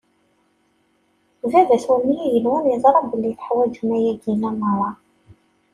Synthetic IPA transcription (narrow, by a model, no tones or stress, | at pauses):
vævæθwunmːijæjəlwəniðˤɾˤɑbəlːiθħwæd͡ʒumæjæɡinæməɾˤɑ